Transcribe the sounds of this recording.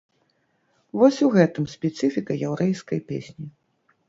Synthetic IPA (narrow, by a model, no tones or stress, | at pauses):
vɔsʲuɣɛt̪ɨmsʲpʲɛt̪sɨfʲikɐjawɾɛjskɐjpʲḛsʲnʲi